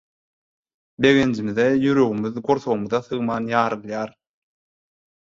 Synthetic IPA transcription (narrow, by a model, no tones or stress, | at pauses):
be̞ɣend͡ʒimiðejyɾøɣymyðɡoɾθoɣmuðɑθɯɣmɑːnjɑːɾɯlˠjɑːɾ